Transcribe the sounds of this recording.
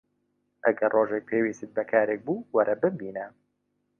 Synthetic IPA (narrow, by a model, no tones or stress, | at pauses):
ʔæɡɐrroːʒek̚pʰeːwiːsɨt̪̚bɛkʰaːɾeːk̚buːwɐɾʔɛbɨmbiːnɛ